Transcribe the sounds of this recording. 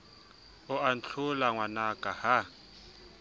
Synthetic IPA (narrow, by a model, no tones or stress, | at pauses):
ʊan̩t͡ɬʰʊlaŋwanakʼaha